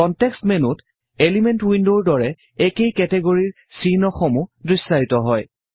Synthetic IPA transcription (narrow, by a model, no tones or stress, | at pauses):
kɔntɛkstmɛnʊt | elimɛntwindoɹdɔɹɛ | ɛkejkɛtɛɡoɹiɹ | sinɔxɔmudɹisːaɹitɔɦɔj